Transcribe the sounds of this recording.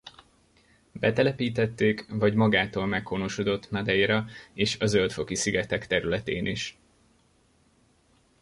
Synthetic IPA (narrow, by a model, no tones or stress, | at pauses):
b̥ɛt̪ɛlɛpiːt̪ɛt̪ːeːkvɒɟmɒɡaːt̪oːlmɛkʰːono̞ʃod̪ot̪ːnɒd̪ɛjiɾɒeːʃɒzølt̪fo̞kisiɡɛt̪ɛkt̪ɛɾylɛt̪eːnʔiʃ